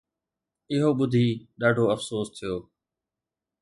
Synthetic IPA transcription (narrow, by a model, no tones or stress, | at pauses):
ɪɦoːɓʊd̪ʱiːɗaːɖʱoːəfsoːst̪ʰɪjoː